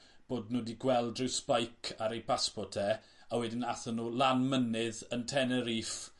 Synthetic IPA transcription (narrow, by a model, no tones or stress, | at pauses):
b̥oːdnuːdiɡwɛlˠdrɪwspajkʰaɾejpʰaspɔtʰɛ | awɛdɪnaθənulˠanmənɪðəntʰɛnɛɾiːf